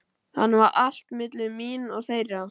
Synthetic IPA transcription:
hanːvaɾʔal̥t̪mɪt̪lɪminɔɣθeːjɾa

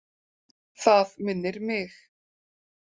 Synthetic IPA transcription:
θaðmɪnːɪɾmɪx

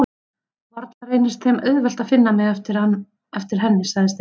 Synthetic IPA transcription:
vaɾt̪nareːjnɪst̪θɛmœðvɛl̥t̪aðfɪnːamɛɣɛft̪ɪɾan | ɛft̪ɪɾ̥ɦɛnːɪsaɣðɪst̪

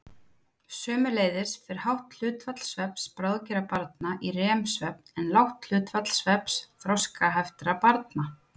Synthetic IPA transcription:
sœːmʏleːjðɪɾ̥θɪɾ̥hawht̪l̥ʏːt̪vat̪l̥svɛpspɾawðcɛɾapaɾt̪̚naʔirɛːmsvɛpnɛnlawht̪l̥ʏːt̪fat̪l̥svɛpsθɾɔskaɦaft̪ɾapaɾt̪̚na

